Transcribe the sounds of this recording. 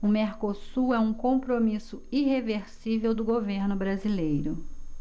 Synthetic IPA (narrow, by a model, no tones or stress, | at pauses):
ʊmeɾkosuɛũkõpɾomisʊiheveɾsivewd̪ʊɡoveɾnʊbɾazilejɾʊ